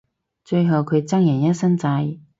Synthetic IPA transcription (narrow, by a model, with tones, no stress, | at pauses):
t͡ʃɵ˧ɥɦɐ˨˩wkʰɵ˨˧t͡sɐ˥ŋjɛː˨˩jɐ˥t̚sɐ˥nt͡sɐ˧j